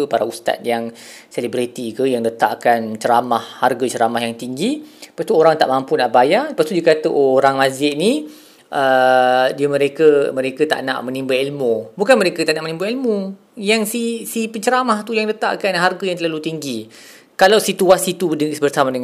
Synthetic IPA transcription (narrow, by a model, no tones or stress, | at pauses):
əpaɾaust̪a̰t̪̚jaŋselibɾit̪ikəjaŋdət̪a̰ʔkant͡ʃəɾamahharɡət͡ʃəɾamahjaŋt̪iŋɡipast̪uoɾaŋt̪a̰ʔmampunaʔbajaləpast̪udiəkat̪əʔooɾaŋmazɪʔni | ʔədiəmə̃ɾekəməɾekət̪a̰ʔna̰ʔmənĩmbailmõbukanməɾekət̪aʔnaʔmənĩmbəilmo | jaŋsisipəɲt͡ʃəɾamaht̪ujaŋdət̪a̰ʔkanɦarɡəjaŋt̪əlalut̪iŋɡi | kalawsit̪uasit̪udəsbərsamadəŋ